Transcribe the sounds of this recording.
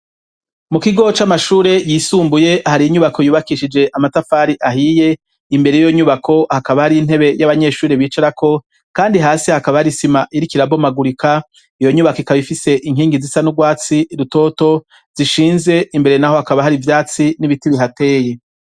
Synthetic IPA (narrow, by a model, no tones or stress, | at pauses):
mukiɡo̞t͡ʃamaʃuːɾe̞jiːsuːmbuje̞haɾijiɲuβakʰo̞juːβakiʃid͡ʒe̞ʔamatafaːɾiʔaɦije̞ | imbe̞ɾejijo̞ɲuβakʰo̞hakaβahaɾiin̥ɦe̞βe̞jaβaɲe̞ʃuːɾeβiːt͡ʃaɾakʰo̞ | kaːndiɦaːsihakaβahaɾisimaʔiɾikiɾabo̞maɡuɾikʰa | ijo̞ɲuβakikaβifise̞ʔiŋɦiːŋɡizisanuɡwaːt͡siɾuto̞ːto̞ | z̥iʃiːnze̞imbe̞ɾe̞naho̞hakaβahaɾivjaːt͡siniβitiβiɦate̞ːje̞